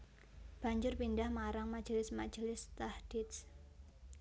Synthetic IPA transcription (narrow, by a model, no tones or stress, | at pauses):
b̥a̤ɲd͡ʒʊrpindahmaɾaŋmḁd͡ʒəlɪsmḁd͡ʒəlɪst̪ahd̥ɪt̪s